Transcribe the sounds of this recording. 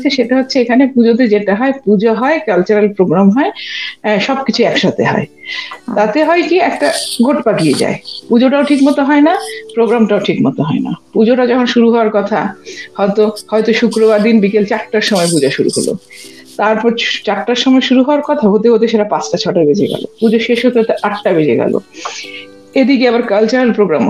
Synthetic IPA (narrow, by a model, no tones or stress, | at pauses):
t͡ɕʰeʃeʈaɦotːɕʰeekʰanepud͡ʑot̪̬ed͡ʑeʈaɦɔepud͡ʑʱaɦɔekalt͡ɕaɾelpɾoɡɾamɦɔeʃɔbkit͡ɕʰuɛkʃat̪ḛɦɔ̰et̪at̪eɦɔekiɛkʈaɡʱoʈpakijed͡ʑa̰epud͡ʑoʈaoʈʰikmɔt̪oɦɔenapɾoɡɾamʈaoʈʰikmɔt̪oɦɔena̰pud͡ʑoʈad͡ʑɔkʰonʃuɾuɦɔaɾkɔt̪ʰa̰hɔet̪ohɔet̪oʃukɾoβaɾd̪inbikelt͡ɕaʈːaɾʃɔmɔepud͡ʑaʃuɾṵɦo̰lo̰ | t̪aɾpɔɾt͡ɕaʈːaɾʃɔmɔeʃuɾuɦɔoaɾkɔt̪ʰaɦot̪̬eɦot̪̬eʃeʈapat͡ɕʈat͡ɕʰɔʈabed͡ʑeɡɛ̰lo̰pud͡ʑoʃeʃɦot̪eɦot̪eʔaʈːabed͡ʑeɡɛ̰lo̰ | ed̪ikeabaɾkalt͡ɕaepɾoɡɾam